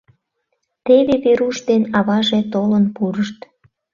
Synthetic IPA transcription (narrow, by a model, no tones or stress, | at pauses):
t̪eβeβeɾuʃd̪enɑβɑʒet̪olənpuɾəʃt̪